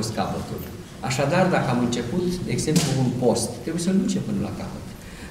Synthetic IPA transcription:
ost̪kapət̪ṵlʲ | a̰ʃad̪ard̪akəamɨnt͡ʃe̞put̪d̪e̞ːɡze̞mpluːnpo̞st̪ːɾe̞buje̞səlint͡ʃepɨnəlʔa̰ka̰pət̪

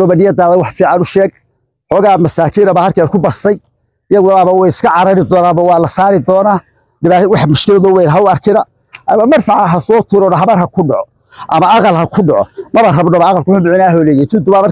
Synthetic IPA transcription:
ɔbɐnɪjɐd̪aːðɛjwɑħfiːʕɑnʊʃɛːɡ̚ | ħɔːɣaːmɐsaːkʰiːnɐbɐːhɐrkʰɛɾkʰʊbɐrsɐj | ɪjɐɣʊaːβɐwɛjɪskʰɐʕɑɾɐɾɪd̪ɔːnaːbɐwɑːlɐsaːɾɪd̪ɔːnaː | ɖɪβaːwɑħmʊʃkʰɪlɐðɔwɛjnɦɐʊɐrkʰɪnɐ | ʔɐmɐmɐrfɑʕɦɐsɔːt̪ʰuːɾɔnɐɦɐβɐrɦɐkʰʊɖɔʕɔ | ʔɐmɐɑqɐlɦɐkʰʊɖɔʕɔmɐβɐrɐbnɔbɐɑqɐlkʰʊħʊmʊʕɪnaːɦɔːlɛːjɛjt̪ʰɪd̪ʊbaːmɐr

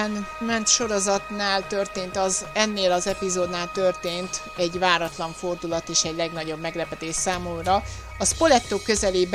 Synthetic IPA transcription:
ɛnmɛnt̪ʃo̞ɾo̞zɒt̪naːlt̪ørt̪eːnt̪ɒzɛnːeːlɒzɛpizoːd̪naːlt̪ørt̪eːnt̪ | ɛɟvaːɾɒt̪lɒɱfo̞rd̪ulɒt̪eːʃɛɟlɛɡnɒɟo̞bmɛɡlɛpɛt̪eːʃsaːmumrɒ | ɒspo̞lɛt̪ːoːkːø̞zɛleːb

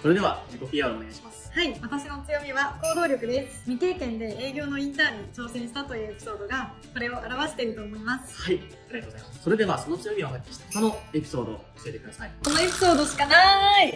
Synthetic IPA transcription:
so̞ɾe̞d̪e̞βaikopʲiaɾɯone̞ɡaiɕi̥masɨ̥haiβat̪aɕino̞t͡sɨjo̞mʲiβako̞ːɾo̞ːɾʲo̞kɯ̟d̪e̞sɨ̥mʲit̪e̞ːkẽ̞nd̪e̞eːɡʲo̞ːno̞ĩnt̪aːɲ̟it͡ɕo̞ːsẽ̞ɰ̃ɕi̥t̪at̪o̞jɯ̟ːepʲi̥so̞ːd̪o̞ɡa | ko̞ɾe̞o̞ʔaɾaβaɕe̥t̪e̞iɾɯ̟t̪o̞ːmo̞imasɨ̥hai | assoɾe̞d̪e̞βaso̞not͡sɨjo̞mʲioɦakʲːi̥ɕi̥t̪ḁkonoepʲi̥so̞ːd̪o̞̰oɕiet̪e̞kɯd̪askonoe̞pʲi̥so̞ːd̪o̞ɕi̥kanai

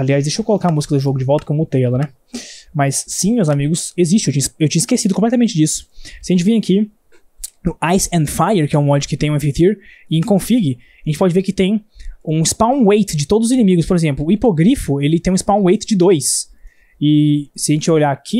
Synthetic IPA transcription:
aliazd̪eʃowkolokaɾmuzikɐd̪ʊʒoɡʊd͡ʒɪvɔwˠt̪ɐ̥kõmʊʊt̪elɐnɛ | mɐsːĩmewzamiɡʊseziʃt͡ʃɪewt͡ʃĩɲɐewt͡ʃĩɲɐɪskesidʊkõplɛt̪ɐmẽnt͡ʃɪd͡ʒisʊ̥sɪɐʒẽnt͡ʃɪvẽaki | ʊajsɛ̃nd̪fajeɾkɪɛũɔd͡ʒɪkɪt̪ẽj̃ẽfeθiɾɪẽkõfiɡɪ | aʒẽt͡ʃɪ̥pɔd͡ʒɪveɾkɪt̪ẽj̃ũispãw̃wejt̪d͡ʒɪt̪od̪ʊzʊzĩnẽmiɡʊspoɾezẽmplʊːipoɡɾifʊelɪt̪ẽj̃ispãw̃wejt̪d͡ʒɪd̪ojs | ɪsɪɐʒẽnt͡ʃɪvaoʎaakʰi

